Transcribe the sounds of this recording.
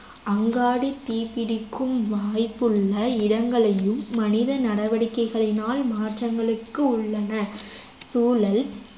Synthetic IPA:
ɐŋɡaːɽit̪ːiːpɪɽɪkːɯmʋaːjpːɯɭːɐɪɽɐŋɡɐɭɐjɯmːɐnɪðɐnɐɽɐʋɐɽɪkːɐɪɣɐɭɪnaːlmaːʈrɐŋɡɐɭɯkːɯʊɭːɐnɐ | suːlɐl

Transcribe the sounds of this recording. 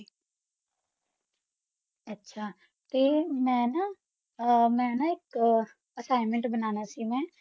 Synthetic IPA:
ɐtːʃʰa | t̪oimɛ̃ːna | mɛ̃ːnaek | ɐsaːɪmẽɳʈbɐnaːnasimɛ̃ː

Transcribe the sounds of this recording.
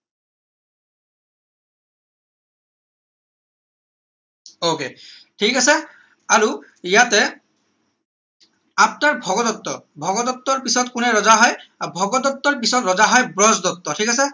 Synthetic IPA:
oketʰikasɛ | aɹu | ijatɛ | ap̚naɹbʱɔɡɔd̪ɔt̪ːɔbʱɔɡɔd̪ɔt̪ːɔɹpisɔtkʊnɛɹɔzaɦɔjabʱɔɡɔd̪ɔt̪ːɔɹpisɔtɹɔzaɦɔjbɹɔzdɔt̪ːɔtʰikasɛ

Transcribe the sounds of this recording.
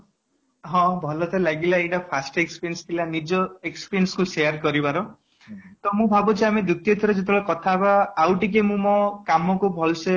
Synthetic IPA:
ɦɔ̃bʱɔlɔt̪ʰɔlaɡilaeʈapʰasʈekspiɾenst̪ʰilanid͡ʒɔekspiɾenskusejaɾkɔɾibaɾɔ | t̪ɔmũbʱabut͡ʃʰiamed̪ut̪ijɔt̪ʰiɾɔd͡ʒet̪ʰebɭɔkɔt̪ʰabaːwʈik̬emũmɔkamɔkubʱɔlse

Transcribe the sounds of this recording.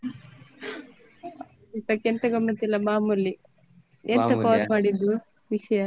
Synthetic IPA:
it̪ɐkent̪ɐɡɐmnɐt̪ilːɐmaːmulːi | eːnt̪ɐpaːsmaːɽid̪u | ʋiʃɐjɐ

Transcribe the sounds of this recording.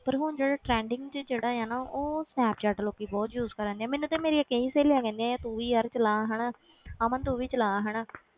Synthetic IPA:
pəɾɦʊnd͡ʒeːɽaːʈɾɛ̃ːɳɖɪ̃ŋɡt͡ʃəd͡ʒeːɽaːaːnaːʔoːsnɛːpt͡ʃɛːʈəloːkːiːbɔːt̪juːzkəɾəãːnd̪ijɛ̃ːmeːnːũːt̪ẽːmeːɾiːəkːẽːiːseːljaːkɛ̃ːnd̪iãːjãːt̪uːʋiːəɾt͡ʃəlaːɦɛːɽaː | aːmə̃nt̪uːʋiːt͡ʃəlaːɦɛːɽaː

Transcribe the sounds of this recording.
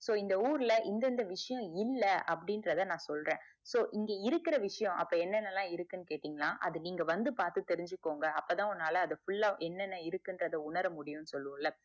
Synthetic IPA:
soːɪnd̪ɐuːɾɪlɐʔɪnd̪ɛnd̪ɐʋɪʂɐjɔ̃ɪlːɐʔɐpːɐɽɪnɾɐðɐnãːsɔlrẽː | soːʔɪŋɡeːɪɾɯkːɪɾɐʋɪʂɐjɔ̃ʔɐpːoːɛnːɛnːɐlãːɪɾɯkːɯnːɯkeːʈːiːŋɡɐlãːʔɐðɯniːŋɡɐʋɐnd̪ɯpaːɾt̪ɯt̪ɛɾɪɲd͡ʒɯkːoːŋɡɐɐpːɐːt̪ãːɔnːaːlɐːðɐfʊɭːaːʔɛnːɛnːɐɪɾɯkːɪndrɐðɐʊɳɐɾɐmʊɽɪjʊ̃nːɯsɔlːɯʋɐlːɐ

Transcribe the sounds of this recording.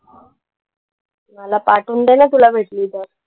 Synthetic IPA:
malapaʈuːnd̪enat̪ulabʱeʈliːt̪əɾ

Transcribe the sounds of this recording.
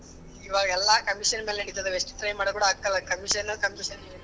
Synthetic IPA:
iʋaːɡɐɛlːaːkɐmiʂɐnmelniɽit̪ːɐd̪ueʂʈi̥t̪ɾɐjmaːɽɐkuːɽɐːkːɐlɐkɐmiʂɐnɐkɐmiʂɐn

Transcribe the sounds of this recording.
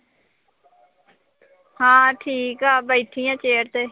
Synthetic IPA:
hãːʈʰiːkaːbəiʈʰiːjãːt͡ʃeːɾt̪eː

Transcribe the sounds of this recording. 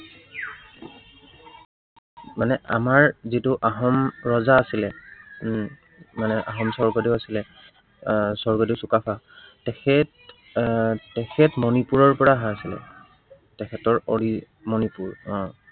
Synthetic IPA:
manɛʔa̰maɹzitʊʔaɦɔmɹɔzaːsilɛ | manɛʔaɦɔmsɔɹɡodiwasilɛ | sɔɹɡodisukapʰa | tɛkʰɛt | tɛkʰɛtmɔnipuɹɔɹpɔɹaɦaːsilɛ̰ | tɛkʰɛtɔɹoɹi | mɔnipuɹɔ̃

